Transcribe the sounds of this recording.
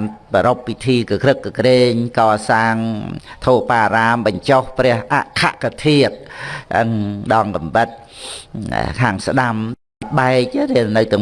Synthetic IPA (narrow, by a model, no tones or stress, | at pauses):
npəɾopːit̪ʰiːkkrɨkːɨkreːɲkɑːsaːŋt̪ʰoːpaːɾaːmɓɑɲt͡ɕohprɛ̆əhʔaʔkʰaʔkat̪ʰiət̪̚ʔəŋɗɑŋkɑmʋət̪̚ | kʰaːŋsɗam | ɓaɛk̚ɾɛəlnɨwt̪ɨ̆ə